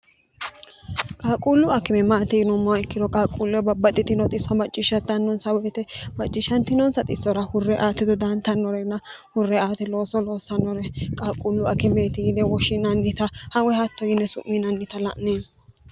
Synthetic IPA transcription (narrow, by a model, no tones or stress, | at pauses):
kʼaːkʼuːlːʊɐkɛmɛmaːt̪ɛɡɪnɔmːɔwɪkːɪd̪ɔkʼaːkʼulːɔɛbɐbːɐt̪ʼːɪt̪ɪnɔt̪ʼɪsːɔmɐt͡ʃʼːɪʃɐt̪ːɐnːɔnsɐwɛt̪ɛmɐt͡ʃʼːɪʃɐnt̪ɪnɔnsɐt̪ʼɪsːɔɾɐhʊrːɛʔaːt̪ːɪd̪ɔd̪ɐnt̪ɐnːɔɾɛnːɐ | hʊrːɛaːt̪ɛlo̞ːsɔlo̞ːsɐnɔɾɛkʼaːkʼulːʊɐkɛmeːt̪ɪjɪd̪ɛwɔʃɪnɐnːɪt̪ɐhɐwɛhɐt̪ːɔjɪnːɛsʊ̰ʔːɪnɐnːɪt̪ɐlɐ̰ʔne